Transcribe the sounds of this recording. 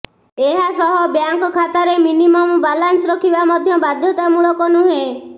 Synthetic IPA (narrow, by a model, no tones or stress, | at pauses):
eɦasɔɦɔbjaŋkɔkʰat̪aɾeminimɔmbalansɾɔkʰibamɔd̪ʱjɔbad̪ʱjɔt̪amuɭɔkɔnuɦe